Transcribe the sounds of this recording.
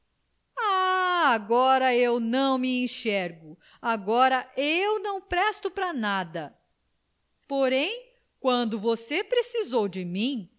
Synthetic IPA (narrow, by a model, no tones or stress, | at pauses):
aaɡɔɾɐewnɐ̃w̃miẽʃɛɾɡʊ | aɡɔɾɐʔewnɐ̃w̃pɾɛst̪ʊpɾɐnad̪ɐ | poɾẽj̃ | kwɐ̃nd̪ʊvosepɾesizowd͡ʒɪmĩ